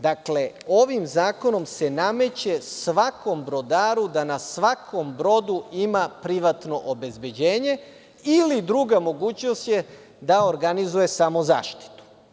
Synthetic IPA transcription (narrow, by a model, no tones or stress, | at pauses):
d̪akle̞o̞ʋimzaːko̞no̞mse̞name̞t͡ɕe̞sʋako̞mbɾo̞d̪aːɾud̪anasʋakʰo̞mbɾo̞d̪uimapɾiʋat̪no̞ʔobe̞zbe̞d͡ʑeːɲe̞ | ilid̪ɾuɡamo̞ɡuːt͡ɕno̞st̪je̞ | d̪ao̞ɾɡanizuje̞samo̞za̰ːʃt̪i̥t̪u̥